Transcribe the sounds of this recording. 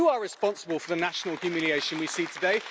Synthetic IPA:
əəɹɪspɒ̃nsəbəlˠfəðənaʃənəlˠkjəmjʉlieɪʃə̃nwisiːtʰədeɪ

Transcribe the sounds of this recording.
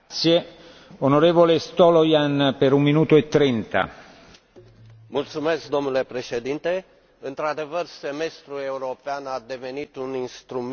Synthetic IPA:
t̪sje | onoɾeːvolest̪olojanpeɾumminuːt̪oet̪ːɾint̪a̰ | mult̪sumesk̚d̪o̞mnule̞pɾe̞ʃed̪int̪e | ɨnt̪ɾad̪e̞vərseme̞st̪ɾue̞uɾopeanad̪e̞ve̞nit̪uninst̪ɾum

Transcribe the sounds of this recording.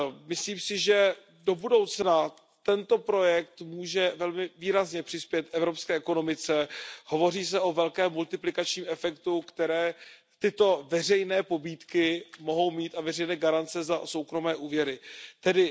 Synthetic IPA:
mɪsliːmsɪʒɛ | do̞budo̞wt͡sna | t̪ɛnt̪o̞pɾo̞jɛk̚t̪muːʒɛvɛlmɪviːɾazɲɛpr̥ɪspjɛt̪ɛvɾopskɛːʔɛko̞no̞mɪt͡sɛho̞vo̞riːs̬ɛʔo̞vɛlkɛːmːult̪ɪplɪkat͡ʃɲiːmʔɛfɛkt̪ukt̪ɛɾɛː | t̪ɪt̪o̞vɛr̝ɛjnɛːpo̞biːt̪kɪmo̞ɦo̞wmiːt̪avɛrɛjnɛːɡaɾant͡sɛzaso̞wkɾo̞mɛːʔuːvjɛɾɪt̪ɛdɪ

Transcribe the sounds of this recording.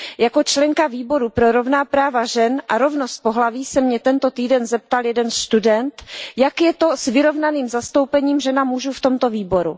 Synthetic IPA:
jako̞t͡ʃlɛŋkaviːbo̞ɾupɾoɾo̞vnaːpɾaːvaʒɛnʔaɾo̞vnost̪̚po̞ɦlaviːsɛmɲɛt̪ɛnt̪o̞t̪iːdɛnzɛp̚t̪aljɛdɛnʃt̪udɛnt̪jakjɛt̪o̞svɪɾo̞vnaniːmzast̪o̞wpɛɲiːmʒɛnamuʒuft̪o̞mt̪o̞viːbo̞ɾu

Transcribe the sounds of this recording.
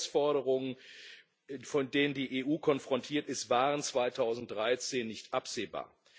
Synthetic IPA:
sfɔɐɾəʁʊŋən | fɔndeːnəndiːʔeːʔuːkʰɔnfʁ̥ɔntʰiːɐtɪstv̥aːʁənt͡sv̥aɪtʰaʊzn̩t̚d̥ʁaɪt͡seːnːɪçtʔapz̥eːba̰ːɐ

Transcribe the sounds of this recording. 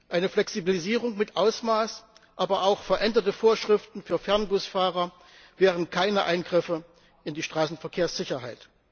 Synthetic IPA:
ʔaɪnəflɛksibiliziːʁʊŋmɪtʔaʊsmaːs | ʔaːbɐʔaʊxfɛɐʔɛndɐtəfoːɐʃʁ̥ɪftn̩fyːɐfɛɐnɡʊsfaːʁɐ | vɛːʁ̞ənkʰaɪnɐʔaɪnɡʁɪfə | ʔɪndiːʃtʁ̥aːsn̩fɛɐkʰeːɐsz̥ɪçɐɦaɪt

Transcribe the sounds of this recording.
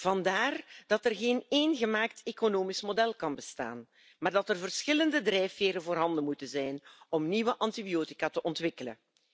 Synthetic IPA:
v̥ɑndaːrd̥ɑtərɣeːneːnɣəmaːktekonoːmismodɛlˠkɑnbəsta̰ːn | maːrdɑtərvərsxɪləndədrɛjfeːɾənvoːrɦɑndəmutənzɛjnɔmniːʋəʔɑntibijoːti̥kaːtəʔɔntʋɪkələ̰

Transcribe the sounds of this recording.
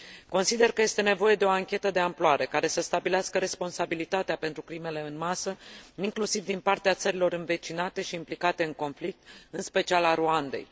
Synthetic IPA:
ko̞nsid̪e̞rkəjest̪e̞ne̞vo̞je̞d̪e̞o̞aŋkʲe̞t̪əd̪e̞amploaɾʔe̞kaɾe̞səst̪abileaskəɾe̞spo̞nsabilit̪at̪eape̞nt̪ɾukɾime̞le̞ɨnmasəiŋklusivd̪inpart̪eat̪səɾilo̞ɾɨnve̞t͡ʃinat̪e̞ʃiːmplikat̪e̞ɨŋko̞nflik̚t̪̚ɨnspe̞t͡ʃialaɾuand̪e̞̰j

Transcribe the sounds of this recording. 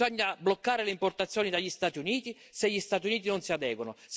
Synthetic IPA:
ɔɲːablɔkːaːɾɪlɪimpɔrt̪at̪sːjɔːnid̪aʎːist̪aːt̪iuniːt̪i | seʎːist̪aːt̪̬iuniːt̪̬inʊnsiad̪ɛːɡonʊs

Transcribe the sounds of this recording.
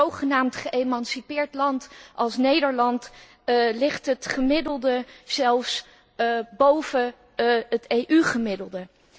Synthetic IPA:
owχənaːmtχəʔejmɑnsipɪːɹtlɑntɑlˠsnejdəɹlɑnt | lɪχtɦətχəmɪdəlˠdəsɛlˠfs | bowvə | ətejʔyχəmɪdəlˠdə

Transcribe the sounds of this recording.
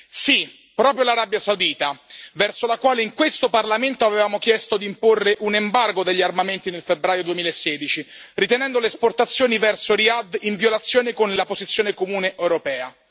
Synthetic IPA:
si | pɾɔːpɾjolaɾabjasawd̪iːt̪avɛrsolakwaːleiŋkwest̪oparlament̪oavevaːmokjɛst̪od̪imporːeʔunembarɡod̪eʎːiarmament̪inelfebɾaːjod̪uemiːlaesːɛːd̪it͡ʃirit̪enɛnd̪oleːsport̪at̪sːjoːnivɛrsoɾiad̪iɱvjolat̪sːjoːnekonlapozit̪sjoːnekomuːneʔewɾopɛːa

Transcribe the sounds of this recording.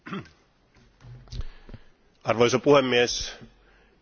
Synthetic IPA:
ɑrʋojsopuhemːies

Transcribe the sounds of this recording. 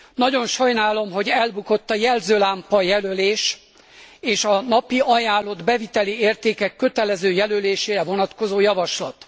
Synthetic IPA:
nɒɟo̞nʃɒjnaːlo̞mɦo̞ɟɛlbuko̞t̪ːɒjɛlzøːlaːmpɒjɛløleːʃ | eːʃɒnɒpiʔɒjaːlːo̞d̪bɛvit̪ɛlieːrt̪eːkɛkːø̞t̪ɛlɛzøːjɛløleːʃeːɾɛvo̞nɒt̪ko̞zoːjɒvɒʃlɒt̪

